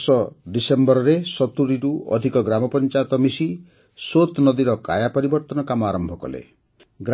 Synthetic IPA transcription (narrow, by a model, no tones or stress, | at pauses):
sɔɖisembɔɾɔɾesɔt̪uɾiɾuɔ̰d̪ʱikɔɡɾamɔpɔnt͡ʃajɔt̪ɔmisi | sot̪nɔd̪iɾɔka̰japɔɾibɔɾt̪ɔnɔkamɔaɾɔmbʱɔkɔ̰lḛ | ɡɾ